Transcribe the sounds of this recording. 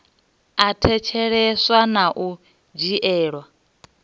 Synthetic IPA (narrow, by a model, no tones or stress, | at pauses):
atʰɛt͡ʃʰɛɺɛswanaʔu | d͡ʒiʔɛːɺwa